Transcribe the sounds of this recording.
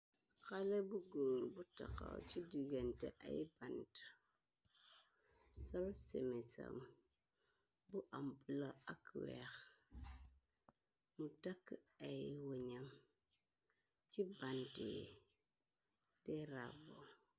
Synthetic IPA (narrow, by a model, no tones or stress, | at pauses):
kalebuɡoːɾbutaka̰wt͡ʃidiɡenteʔa̰jibant | solsemesa̰m | buʔampulaakwex | mutakːajiwuɲam | t͡ʃibanti | deɾabo